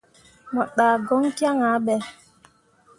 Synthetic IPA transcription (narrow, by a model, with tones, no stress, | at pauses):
mɔ˨ɗaː˨ɡɔ˦ŋkja˦ŋa˨˦ɓɛ˨